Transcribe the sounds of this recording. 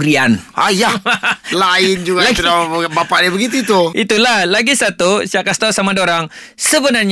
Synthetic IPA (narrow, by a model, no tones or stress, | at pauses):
ɾianajalaɪnd͡ʒuɡalaɡabapaʔdabəɡit̪̬uit̪uʔit̪ulahlaɡisat̪usiakast̪osamadoɾaŋ | səbənarɲ